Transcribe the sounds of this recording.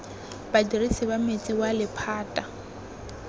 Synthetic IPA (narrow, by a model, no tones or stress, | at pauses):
badirisɪbamet͡sʼiwalɪpʰaːtʼa